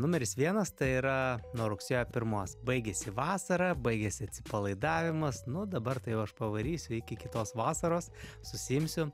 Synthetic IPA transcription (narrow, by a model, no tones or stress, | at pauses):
nʊmʲɛɾʲɪsʋʲiɛnɐst̪ɐɪiɾɐnuɔɾʊksʲeːjopʲɪɾmuɔsbɐɪɡʲɛsʲɪʋɑːsɐɾɐbɐɪɡʲɛsʲɪɐt̪ʲsʲɪpɐlˠɐɪd̪ɑːʋʲɪmɐsnʊd̪ɐbɐrt̪ɐɪjɛʊɐʃpɐʋɐɾʲiːsʲʊɪkʲɪkʲɪt̪oːsʋɑːsɐɾoːs | sʊsʲɪɪmʲsʲʊ